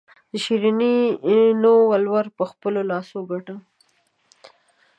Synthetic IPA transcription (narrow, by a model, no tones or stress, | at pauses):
d̪̥əʃiɾininowalwaɾpəxpəlolɑsoɡaʈə